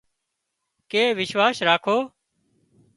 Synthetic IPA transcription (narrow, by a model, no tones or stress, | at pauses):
keːʋɪʃʋaːsɾaːkʰoː